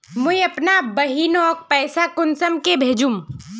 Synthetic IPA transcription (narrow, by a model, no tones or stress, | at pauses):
mʊiɐpnabɐɦiːnɔːk̚pɛːsakʊnsəmkebʱeːd͡ʒum